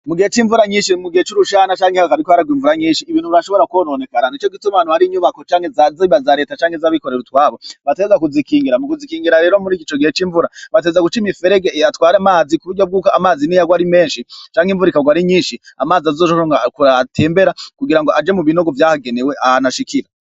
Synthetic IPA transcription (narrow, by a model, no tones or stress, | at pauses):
muɡihet͡ʃiːɱvuɾaɲiːnʃinimuɡihet͡ʃuɾuʃaːnat͡ʃaːŋehaakaɾikwaɾaɡwiːɱvuɾaɲiːnʃiːβiːnhuβaʃoβo̞ɾakwonone̞kananit͡ʃoɡitumanuhaɾiɲuβako̞t͡ʃaːŋhezaziβazaɾeːtat͡ʃaːŋɡhezaβiko̞ɾe̞ɾutwaːβoβatezakuzikiːŋɡiɾamukuzikiːŋɡiɾaɾe̞ːɾo̞muɾiːkit͡ʃoɡihet͡ʃiːɱvuɾaβatezaɡut͡ʃimife̞ɾeɡeatwaːɾamaːzikuβuɾɟob̚ɡuːkoamaːzinijaɡwaɾime̞ːnʃit͡ʃaːŋɡiɱvuɾikaɡwaɾiɲiːnʃiamaːziazoːʃoakuɾate̞ːmbe̞ɾakuɡiɾaŋɡoʔad͡ʒemuβino̞ɡo̞vjaːhaɡe̞neweʔahanaʃikʰiɾa